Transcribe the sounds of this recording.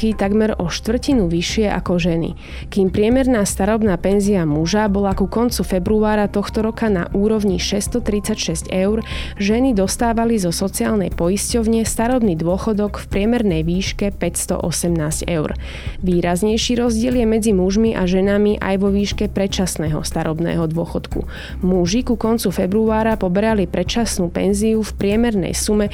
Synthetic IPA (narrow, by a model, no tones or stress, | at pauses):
kit̪aɡmɛɾɔʃt̪ʋr̩cinuʋiʃɪɛʔa̰kɔʒɛnḭ | kiːmpɾɪɛmɛɾnaːst̪aɾɔbnaːpɛnziamuʒabɔlakukɔnt͡sufɛbɾuaːɾat̪ɔxt̪ɔɾɔkana̰ʔuːɾɔʋɲiʃɛst̪ɔt̪ɾit͡sacʃɛscɛʊɾʒɛnid̪ɔst̪aːʋalizɔsɔt͡siaːlnɛ̰jpɔjiscɔʊɲɪɛst̪aɾɔbniːd̪ʊɔxɔd̪ɔkfpɾɪɛmɛɾnɛjʋiːʃkɛpɛcst̪ɔ̰ʔɔsɛmnaːzɟɛʊɾ | ʋiːɾazɲɛjʃiːɾɔzɟɪɛljɛmɛd͡zimuʒmiʔa̰ʒɛnamiʔa̰jʋɔʋiːʃkɛpɾɛt͡ʃasnɛːɦɔ̰st̪aɾɔbnɛ̰ːɦɔd̪ʊɔxɔt̪kṵ | muʒikukɔnt͡sufɛbɾuaːɾapɔbɛɾalipɾɛt͡ʃasnuːpɛ̰nziufpɾɪɛmɛɾnɛ̰jsumɛ